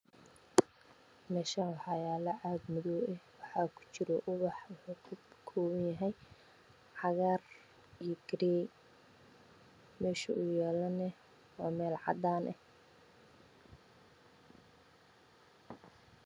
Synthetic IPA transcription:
mɛːʃɐnwɑħɑjaːlɐʔaːd̪mʊðɔːɛhwɑħɑːkʰʊ̥t͡ʃɪɾɔʔʊβɑħwʊħuːkʰʊkʰɔːβɐnjɐɦɛj | ʕɑɣaːr | ijɔɡɾɛː | mɛːʃɐʊjɛːlɐnɛ | waːmɛːlʕɑ̰d̪aːnʔɛh

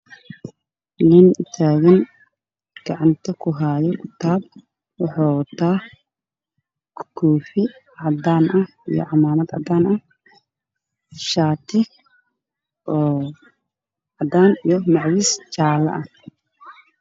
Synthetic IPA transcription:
nɪnʊt̪ʰaːɣɐn | ɡ̥ɑʕɑnt̪ʰɐkʰʊɦaːjɔkʰʊt̪ʰaːb | wɑħɑːt̪ʰaː | kkʰuːfɪʕɑd̪aːnʔɐh | ḭjɔ̰ʕɑmaːmɐd̪ʕɑ̰d̪aːnɐh | ʃaːt̪ʰɪ | ʔɔː | ʕɑd̪aːnijɔmɑʕwist͡ʃaːlɐ̰ʔɐh

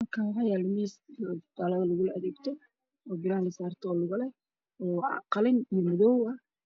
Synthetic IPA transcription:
mɐkʰaɦɑjalmist̪alɐðɐlʊɣʊlɐʔɐðɛːɡt̪ʰɔ | ɔːɡɪɾaːlɪsaːrt̪ʰɔːlʊɣɐlɛ | ɔ̰ːqɑlɪnimɔðɔwɐ

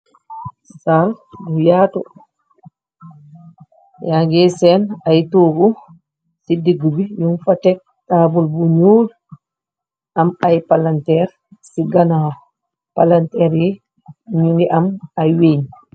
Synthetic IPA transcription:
salɡujaːtɔ | jaŋɡɛsɛnajtoːɡu | sidiɡːubiɲunfatɛk̚ | taːbulbuɲoːl | ʔamajpalantɛɾ | siɡana | palantɛɾjɛ | ɲuŋɡɛʔamajweɲ

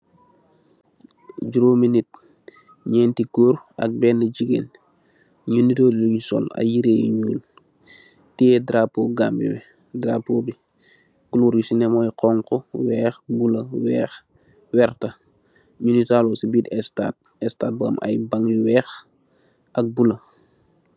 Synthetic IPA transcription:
ɟuɾominit̚ | ɲɛːntikoɾɐ̰k̚bɛːnːɐɟiɡḛn | ɲunitolluɲusɔ̰la̰jiɾejɲuːl | tiɛdɾapːoːɡaːmbḭbɛ | dɾaːpːobi | kuluːɾjusinɛmɔjqɔːŋkɔwɛːxbulɐwɛːx | wɛɾtɐ | ɲunitaːlosibitɛstaːt̚ | ɛstaːt̚bɔːmʔa̰jbaŋjuwɛːx | ʔɐk̚bulɐ

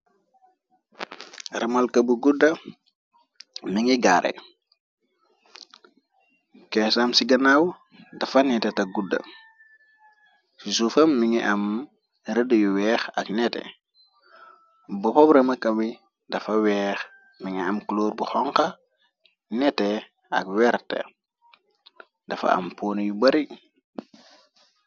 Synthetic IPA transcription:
ɾɐmɐlkɐbuɡudɐ | miŋiɡaɾḛ | kɛsamsiɡɐnaw | dɐfɐnɛtɛtɐɡudɐ̰ | sisufɐmːiŋiʔɐm | ɾədəjuwɛːxɐknɛtḛ | bɔpɔbɾɐmɐkɐwi | dɐfɐwɛːx | miŋɛɐmkloːɾbuxɔŋkɐ | nɛte | ɐ̰kwɛɾtḛ | dɐfɐ̰ɐ̰mpoːnjubɐɾi

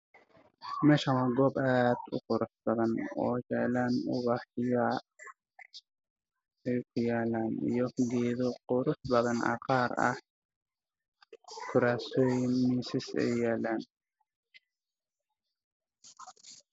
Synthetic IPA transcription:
mɛːʃɐwɐɡɔːbaːd̪ʊ̰qʊɾʊsbɐðɐnɔːjɛʕlaːnʊβɑħɪja | ɛjkʰʊjaːlaːnḭjɔɡɛːðɔqʊɾʊsbɐðɐnɐ̰qɑːɾɐ̰h | kʰʊɾaːsɔːjɪnmisɪsɛ̰jaːlaːn

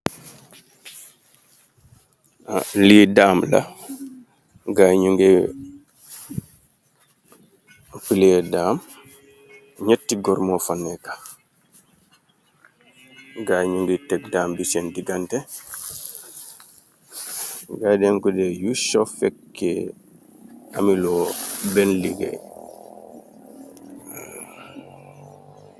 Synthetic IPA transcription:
liːdaːmla̰ | ɡaɲuŋɡɛ | pilɛdaːm | ɲatːiɡɔɾmɔfanːɛkḁ | ɡaɲuŋɡitɛkdaːmbisɛndiɡantɛ | ɡaːdɛŋkudɛjuʃɔfɛkːɛ | a̰milɔbɛnliɡɛ̰

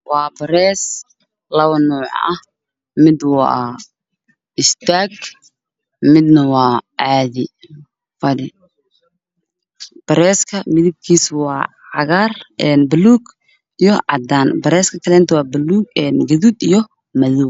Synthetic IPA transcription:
wɑːbɐɾɛːs | lɐβɐnɔːʕ̰ʔɐh | mɪd̪wɑ̰ː | ʔɪst̪ʰaːɡ | mɪd̪nɐwɑːʕɑːðɪ | fɐɾɪ | b̥ɐɾɛːskʰɐmɪðɪb̚kʰiːswɑː | ʕɑɣaːrɛːnbɐluːɡ | ijɔʕɑd̪aːnbɐɾɛːskʰɐkʰɐlɛːnt̪ʰɐwɑːbɐluːɡɛnɡɐðud̪ijɞ | mɐðu

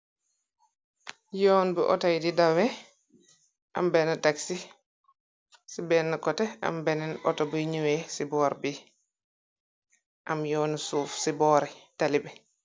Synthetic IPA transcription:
jɔːnbɛʔɔ̰tajdidawɛ | ʔa̰mbɛnataksi | sibɛnːakɔtɛa̰mbɛnɛnɔ̰tɔbujɲuwɛsibɔːɾbi | ʔamjɔːnsuːfsibɔːɾɛtalibɛ

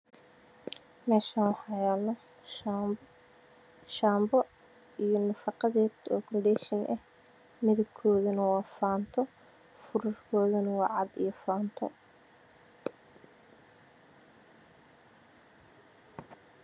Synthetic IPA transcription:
mɛːʃaːnwɑħɑːjɛːlɔ | ʃaːmbɔ | ijɞnɐfɑqɑðɛːd̪ɔːkʰɔnɖɛʃɪnʔɐh | mɪðɐb̚kʰɔːðɐnɐwɑːfaːnt̪ʰɔ | fʊɾʊrkʰɔːðɐnɐwɑːʕɑd̪ḭjɔfaːnt̪ʰɔ

